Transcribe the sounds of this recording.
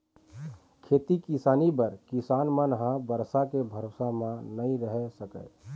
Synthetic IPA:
kʰet̪ikisaːnibəɾkisaːnmənɦãbəɾsakebʱəɾosamãnəĩɾəɦɛsəkə̰ɪ

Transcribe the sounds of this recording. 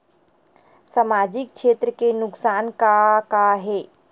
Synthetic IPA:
samaːd͡ʒɪkʃeːt̪ɾəkenʊksaːnkakaɦeː

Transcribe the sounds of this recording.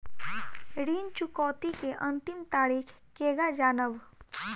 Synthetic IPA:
ɾiːnt͡ʃʊkɔːt̪ikeʔə̃nt̪ɪmt̪aːɾiːkʰ | keːɡad͡ʒaːnəb

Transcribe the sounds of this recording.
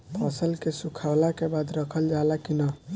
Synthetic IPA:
pʰəsəlkesukʰalakebad̪ɾəkʰəld͡ʒalakinə

